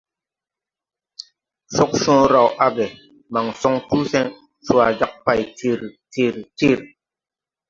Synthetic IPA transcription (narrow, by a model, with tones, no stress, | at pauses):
sɔ˦k̚ʃɔ̃˦ɾa˨wʔa˦bɛ˨ | ma˨ŋsɔ˦ŋtu˦sɛ˦n | su˦a˨d͡ʒa˦k̚pa˨jti˦˨ɾti˦˨ɾti˦˨ɾ